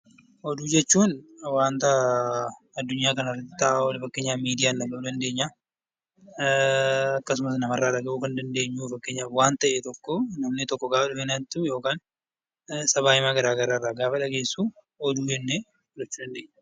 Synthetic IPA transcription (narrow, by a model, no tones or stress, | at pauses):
ʔɔd̪uːd͡ʒɛt͡ʃːuːnwaːnt̪ɐ | ɐd̪ːʊɲːaːkɐnɐrːɐt̪ːɪ̥t̪ːɐʔaːwɐlɪfɐkːeːɲːaːmiːd̪ɪjaːnːɐɡɐud̪ɐnd̪e̞ːɲːa | ɐkːɐsʊmɐs̬nɐmɐrːaːᶑɐɡɐʔuːkɐnd̪ɐnd̪e̞ːɲːuːfɐkːeːɲːaːfwaːnt̪ɐʔɛt̪ɔkːɔnɐmnɪt̪ɔkːɔɡaːfɐᶑʊfenaɪt̪ːʊjo̞ːkaːn | sɐβaːjɪmaːɡɐɾaːɡɐɾaːrːaːɡaːfɐᶑɐɡe̞ːsːuː | ɔd̪uːd͡ʒɛnːe | lɐt͡ʃːuːd̪ɐnd̪eːɲːɐ